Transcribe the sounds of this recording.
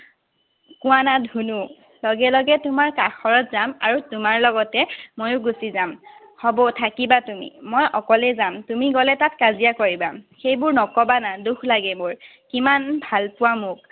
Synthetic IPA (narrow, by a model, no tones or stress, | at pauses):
kʊwanadʱunu | lɔɡɛlɔɡɛtʊmaɹkaxɔɹɔtzamaɹutʊmaɹlɔɡɔtɛmojʊɡusizam | hɔbɔtʰakibatumḭmɔjɔkɔlɛzamtumiɡɔlɛtatkazijakoɹibaxejbʊɹnɔkɔbanadukʰlaɡɛmʊɹ | kimanbʱalpʊwamʊk̚